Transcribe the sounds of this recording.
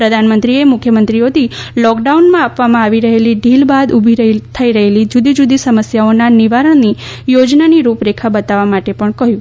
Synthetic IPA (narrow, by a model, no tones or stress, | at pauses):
pɾəd̪ʱanmənt̪ɾiemʊkʰjəmənt̪ɾiot̪ʰilɔkɖaunmãapʋamãaʋiɾəɦeliɖʱilbad̪ubʱiɾt̪ʰəiɾəɦelid͡ʒud̪id͡ʒud̪isəməsjaonaniʋaɾəɳ̃ni | jod͡ʒnaniɾupɾekʰabət̪aʋamaʈepəɳkəɦjũ